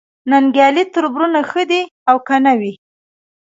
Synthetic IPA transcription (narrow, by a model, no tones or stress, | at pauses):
naŋɡjɑlit̪əɾbɾunaxəd̪iawkanawi